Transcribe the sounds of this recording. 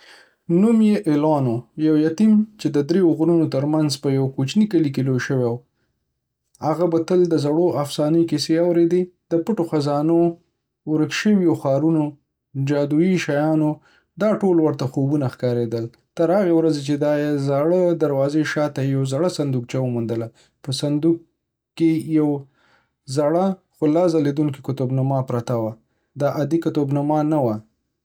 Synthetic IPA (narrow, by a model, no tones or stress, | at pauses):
numjeʔɪlɑnojawjat̪imt͡ʃed̪əd̪ɾeʊɣɾunot̪əɾmanzpəjawkut͡ʃnikəlikelojʃəwew | haɣabat̪əld̪əzaɽoʔafsɑnəkiseawɾed̪ed̪əpəʈoxazɑno | ɾəkʃəwioxɑɾuno | d͡ʒɑd̪uiʃajɑno | d̪ɑʈolwəɾt̪axobunaxkɑɾed̪əl | t̪əɾhaɣewɾazet͡ʃed̪ɑjezaɽəd̪aɾwɑzeʃɑt̪ajawzaɽasand̪uk̚t͡ʃawəmund̪əla | pəsand̪uk̚ː | ejaw | zaɽaxʊlɑzaled̪uŋkikʊt̪obnamɑpɾat̪awa | d̪ɑʔad̪ikat̪obnamɑnawa